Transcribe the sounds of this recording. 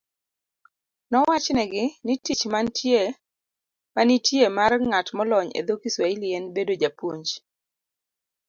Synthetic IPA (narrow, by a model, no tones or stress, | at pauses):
nɔwat͡ʃnɛɡɪnɪtit͡ʃmantʰje | manitjemarŋatmɔlɔɲḛd̪okiswailjɛnbedod͡ʒapwoɲd͡ʒ